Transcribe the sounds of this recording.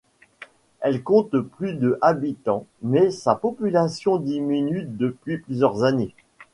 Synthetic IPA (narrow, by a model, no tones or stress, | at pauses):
ɛlkɔ̃t̪plyd̪əʔabit̪ɑ̃mɛsapɔpylasjɔ̃d̪iminyd̪əpɥiplyzjœʁzane